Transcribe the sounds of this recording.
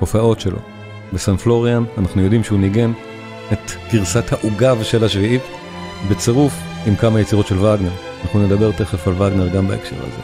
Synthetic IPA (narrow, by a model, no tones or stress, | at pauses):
ofao̞tʃe̞lʔo̞̰ | besanflo̞ʁjananaχnujo̞dimʃeuniɡe̞n | et̪ɡ̥iʁsathaʔuɡavʃelhaʃviit | bet͡seʁuf | imkamajet͡siʁo̞tʃe̞lvaɡneʁanaχnune̞d̪abe̞ʁt̪e̞χefalvaɡne̞ʁɡambaekʃe̞̰ʁha̰zḛ